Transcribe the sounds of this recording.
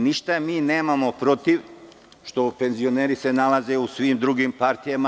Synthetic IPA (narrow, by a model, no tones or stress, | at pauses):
niʃt̪amiːne̞ːmamo̞pɾo̞t̪iʋ | ʃt̪o̞pe̞nzio̞ne̞ːɾise̞nalaze̞usʋimd̪ɾuɡimpaɾt̪ijama